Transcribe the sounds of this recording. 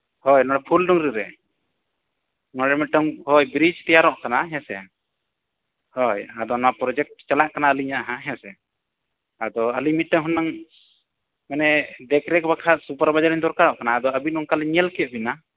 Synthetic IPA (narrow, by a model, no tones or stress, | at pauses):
hɔjnɔ̃ɽɛpʰulɖɔŋɾiɾɛ | nɔɽɛmiʈɔŋɦɔjbɾid͡ʒt̪ɛjaɾɔʔkanaɦɛ̃sɛ̰ | hɔjad̪ɔnɔwapɾɔd͡ʒɛk̚ʈt͡ʃalaʔkanaəliɲaʔaɦãɦɛ̃sɛ | ad̪ɔəlimiɔŋɦunːaŋ | mɛnɛɖɛkɾɛkbakʰasupaɾbad͡ʒaɾiɲd̪ɔɾkaɾɔʔkanaːd̪ɔəbit̪ɔŋkalɛɲɛlkɛʔ̪̚bina